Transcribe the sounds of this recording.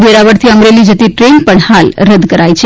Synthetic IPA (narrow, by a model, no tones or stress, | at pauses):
bʱeɾaʋəɾt̪ʰiəmɾelid͡ʒət̪iʈɾenpəɳhalɾəd̪ʱkəɾajt͡ʃʰe